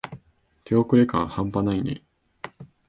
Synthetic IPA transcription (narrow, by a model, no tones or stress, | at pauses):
t̪ʰe̞o̞kɯ̟ɾe̞kãɰ̃hãmpanainḛ